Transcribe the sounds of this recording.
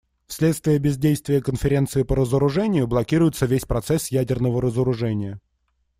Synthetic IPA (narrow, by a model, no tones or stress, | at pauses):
fsʲlʲet̪st̪vʲɪjəbʲɪzʲdʲejst̪vʲɪjəkənfʲɪɾʲe̞nt̪sɨɪpəɾəzəɾʊʐɛnʲɪjʊblˠɐkʲiɾʊjɪt̪səvʲesʲpɾɐt̪sɛsjædʲɪrnəvəɾəzəɾʊʐɛnʲɪjə